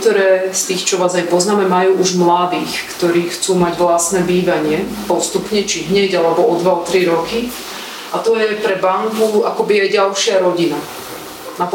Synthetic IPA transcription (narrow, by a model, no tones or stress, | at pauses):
t̪ɔɾɛːst̪iːxt͡ʃɔʋaːzajpɔznaːmɛmajuːʔuʒmlad̪iːxkt̪ɔɾiːxt͡suːmaɟʋlasnɛːbiːʋaɲɪɛpɔst̪upɲɛt͡ʃiɦɲɛɟalɛbɔɔd̪ʋaɔt̪ɾiɾɔki | ʔat̪ɔjɛpɾɛbaŋkuakɔbiajɟalʃɪaɾɔɟina | nap